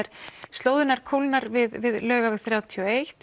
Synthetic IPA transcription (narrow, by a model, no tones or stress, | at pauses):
ɛɾ̥st̪loːwðɪnaɾ̥kʰowlnaɾvɪðvɪðlœːɣavɛɣθɾjaːwt̪ʰiɔejht̪